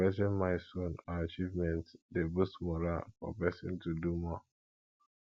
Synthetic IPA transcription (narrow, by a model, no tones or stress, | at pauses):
ɛtɪ̃nmaɪsõnaat͡ʃivmɛ̃ntdebusmɔɾafɔ̰pɛsɪ̰̃ntudumɔ